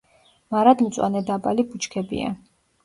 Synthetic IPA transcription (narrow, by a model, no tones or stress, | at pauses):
maɾad̪mt̪sʼwa̰nɛd̪abʼalibut͡ʃʰkʰɛbḭa̰